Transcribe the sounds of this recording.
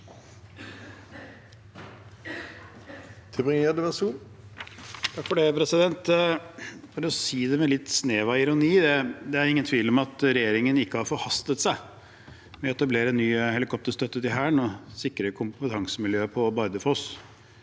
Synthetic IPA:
t̪ʰɪbɪŋed̪ɪʋæsuːn | t̪ʰɑkfɔɖepʰɾɛsɪd̪ɛnt̪ | fɑd̪ɔsiːd̪ɛmɛlɪt̪ːsneːʋɑɪɾʊniːd̪ɛd̪ɛæɾɪŋːənt̪ʰʋiːlɔmɑt̪ɾɛjeːɾɪŋənɪkːəhɑɾfɔɾhɑst̪ət̪sæɪ | mɛt̪ːɛblɪɾɛnːyːhɛlɪkʰɔp̚t̪əɾst̪œt̪ːət̪ɪɦæːɳɔsɪkːɾəkʰʊmpət̪ʰɑŋsəmɪljøːpʰɔbɑɾd̪əfɔɔs

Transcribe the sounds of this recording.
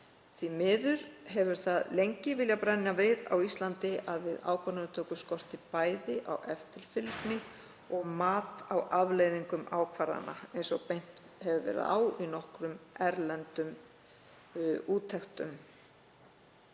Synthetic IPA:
θvimɪːðʏɾ̥hɛvʏɾ̥θaðlejɲcɪvɪljapɾajnavɪða̰wist̪lant̪ɪʔaðvɪða̰ːwkʰvaɾnanʏt̪ʰœːkʏskɔr̥t̪ɪpaːjðɪʔawʔɛft̪ɪl̥fɪlknɪ | ɔɣmaːt̪awavlejðiŋkʏmʔaːwkʰvaɾða̰na̰ejnsɔpejn̥t̪hɛvʏvɛ̰ɾɪ̰ða̰ːwinɔhkɾʏmɛɾlɛnt̪ʏm | uːt̪ʰɛxt̪ʏm

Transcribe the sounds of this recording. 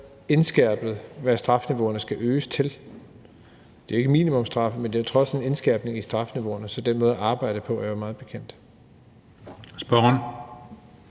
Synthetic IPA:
e̝nsɡ̥æɐ̰b̥ð̩ˠʋæsd̥ʁɑ̈fniʋo̝̰ːɐnəsɡ̥æʔøːst͡sʰe̝l | d̥e̝æe̝ɡ̥əmḭnimɔ̽msd̥ʁɑ̈fəmend̥e̝t͡sʰʁɒ̽sene̝nsɡ̥æɐ̰b̥ne̝ŋisd̥ʁɑ̈fniʋo̝̰ːɐnəsɒ̽d̥enmɔːðˠæʔɑ̈ːb̥ɑ̈ɪ̰d̥əpʰɒ̽ææɐmɑ̈ːð̞̩ˠb̥e̝kʰen̰d̥ | sb̥ɒn

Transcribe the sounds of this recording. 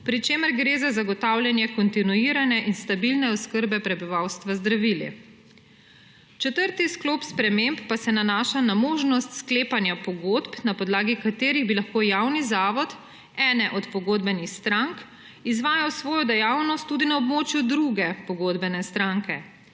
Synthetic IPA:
pɾit͡ʃeːməɾɡɾeːzazaɡɔt̪awljɛnjɛkɔnt̪inuiːɾanɛʔinst̪abilnɛɔskəɾbɛpɾɛbiʋawst̪ʋazd̪ɾaʋilḭ | t͡ʃɛt̪əɾt̪isklopspɾɛmempːasɛnanaːʃanamoːʒnɔst̪skleːpanjapɔɡoːd̪pnapɔd̪laːɡikat̪eːɾiɣbilaxkoːjawnizaːʋɔt̪ | ɛːnɛʔɔt̪pɔɡoːd̪bɛnixst̪ɾaŋk | izʋaːjawsʋɔːjɔd̪ɛjawnɔst̪ːud̪inaɔbmoːt͡ʃjud̪ɾuɡɛpɔɡoːd̪bɛnɛst̪ɾaŋkɛ

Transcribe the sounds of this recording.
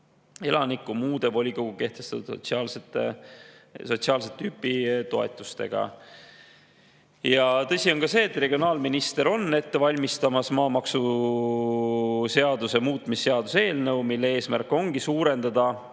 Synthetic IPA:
e̞lɑnikːˑumuːd̪̥e̞vo̞lʲikoɡ̥uke̞ht̪e̞st̪ɑt̪ud̪t̪siɑːlset̪ːḛ | so̞t̪siɑːlset̪ːyːpːˑit̪o̞e̞̰t̪ːˑu̥st̪e̞̰ɡ̥ɑ̰ | jɑt̪ɤ̞sʲio̞ŋkɑse̞ːt̪ːre̞ɡ̥ʲionɑːlminist̪eɾo̞nːe̞t̪ːe̞vɑlʲmist̪ɑmɑsmɑːmɑksu | se̞ɑd̪use̞muːt̪ːˑmisːe̞ɑd̪̥use̞ːlnəwmilːee̞ːsmærkːˑo̞ŋɡ̥isuːɾe̞nd̪̥ɑd̪̥ɑ

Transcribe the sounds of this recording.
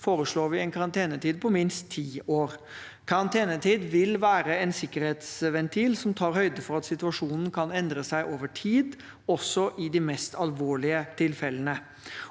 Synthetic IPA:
foːɾəʂɭoːɾʋɪɛnkʰɑɾɑnt̪ʰeːnət̪ʰiːd̪̚pʰɔmɪnst̪ʰːiːoːɾ | kʰɑɾɑnt̪ʰeːnət̪ʰiːd̪ʋɪlʋæːɾəɛnsɪkːəɾheːt̪sʋɛnt̪ʰiːlsɔmt̪ʰɑːɾhœʏd̪əfɔɾɑt̪sɪt̪ʉɑʂuːnn̩kʰɑnɛnd̪ɾəsæɪʔoːʋəʈʰiːd̪ | ɔsːɔʔɪd̪ɪmɛst̪ʰɑlʋoːɭɪət̪ʰɪlfɛlənə

